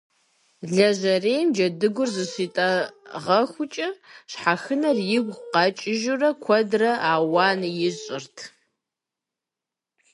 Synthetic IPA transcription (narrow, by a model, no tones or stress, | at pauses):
ɮɐʑɐreːjmd͡ʒɐdɨɡʷʊrzɨɕitʼɐʁɐxʷʊt͡ʃʼɐɕħaxɨnɐrjɪɡʷqɑt͡ʃʼɪʒurɐkʷʰɔdrɐʔaːwaːnjɪɕʼɪrtʰ